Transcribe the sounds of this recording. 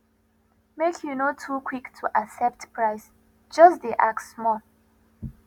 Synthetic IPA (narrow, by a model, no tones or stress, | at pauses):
mekʰjunotʰukʰw̥iktʰuʔaksɛp̚tpʰɹaɪs | d͡ʒʌsdeʔak̚smɔ